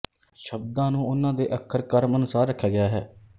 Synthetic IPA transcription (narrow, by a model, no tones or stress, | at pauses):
ʃəb̚d̪ãːnũːʊnːãːd̪ḛːʔəkʰːəɾkəɾmənʊsaːɾːəkʰːjaːɡɪjaːɦɛː